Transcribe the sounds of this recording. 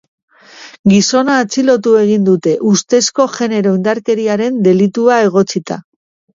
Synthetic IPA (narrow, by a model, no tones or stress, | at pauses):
ɡiso̞naːt͡silo̞t̪ue̞ɣ̞ind̪ut̪e̞ʔust̪e̞sko̞ʝe̞ne̞ɾo̞ind̪aɾke̞ɾiaɾe̞nd̪e̞lit̪uae̞ɣ̞o̞t͡sit̪a